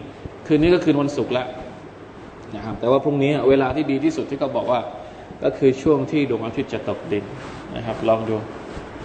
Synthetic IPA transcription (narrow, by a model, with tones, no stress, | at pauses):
kʰɯː˧niː˦˥kɔ˥˩kʰɯː˧nwa˧nsu˨˩k̚la˦˥ʔ | na˦˥˩kʰa˦˥p̚t̪ɛː˨˩waː˥˩pʰu˥˩˨niː˦˥a˥˩weː˧laː˧t̪ʰiː˥˩diː˧t̪ʰiː˥˩su˨˩t̪ʰːiː˥˩kʰɔ˥˩bɔː˨˩k̚waː˥˩ | kɔ̰ː˥˩kʰɯː˧t͡ɕʰu˥˩əŋt̪ʰiː˥˩do˧ŋʔaː˧˥t̪ʰi˦˥t̪̚t͡ɕa˨˩t̪o˨˩k̚di˧n | na̰˦˥kʰa˦˥p̚lɔː˧˥˩ŋdu˧˩əŋ